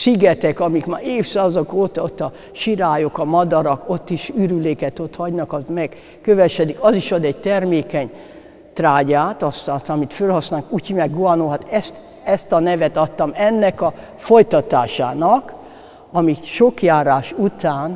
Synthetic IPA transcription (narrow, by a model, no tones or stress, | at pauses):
siɡɛt̪ɛkɒmikma̰ːeːfsaːzokoːt̪ɒot̪ːɒ | ʃiɾaːjokɒmɒd̪ɒɾɒko̞t̪ːiʃyɾyleːkɛt̪o̞t̪hɒɟnɒkɒzmɛɡ̥ | køvɛʃɛd̪ikɒziʃod̪ɛɟ̚t̪ɛrmeːkɛɲ | t̪raːɟaːt̪ɒst̪aːst̪ɒmit̪følhɒsnaːnkucimɛɡɡoɒnoːɦat̪ɛst̪ | ɛst̪ɒnɛvɛt̪ɒt̪ːɒmɛnːɛkɒ | fojt̪ɒt̪a̰ːʃa̰ːnɒk | ɒmiʃokjaːɾaːʃut̪aːn